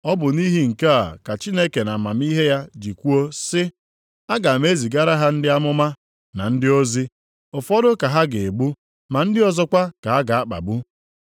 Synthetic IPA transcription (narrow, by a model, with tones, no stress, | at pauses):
ɔ˦bʊ˨ni˦ɦi˦ŋ̩˨ka˦a̰˨ka˨t͡ʃi˦ne˦ke˨na˨ma˨m˦i˦ɦe˦ja˦d͡ʒi˨kʷu˦o˦sɪ˦ | a˦ɡa˨a˨m˦e˦zi˨ɡa˦ɾa˦ɦa˦n̩˦dɪ˦a˦mʊ˦ma˦ | na˨n̩˦dɪ˦o˦zi˦ | ʊ˨fɔ˦dʊ˦ka˨ɦa˦ɡe˨e˨ɡ͡bu˦ | ma˨n̩˦dɪ˦ɔ˦zɔ˦kʷa˦ka˨a˦ɡa˨a˦k͡pa̰˨bu˦